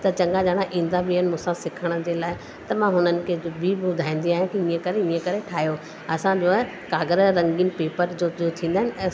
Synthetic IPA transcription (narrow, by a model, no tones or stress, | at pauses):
t̪ɐt͡ɕɐ̃ŋɡad͡ʑaːɽ̃ãʔĩːnd̪abʱiənɪmũːsãsɪkʰəɽ̃ə̆d͡ʑeːlaːɪ | t̪ɐmãɦʊnənɪ̆kʰeːbibʊd̪ʱaːĩːn̆d̪iaːj̃kʰiĩə̃kɐɾeĩːə̃kɐɾeʈʰaːɦjo | ɐsãʄoː | kaːɡəɾɾɐ̃ŋɡiːnpeːpəɾd͡ʑooːt̪ʰĩːn̆d̪aːɪnɪ̃